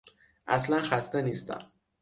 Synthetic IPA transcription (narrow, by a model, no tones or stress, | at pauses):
ʔæ̰slænxæst̪eniːst̪æ̰m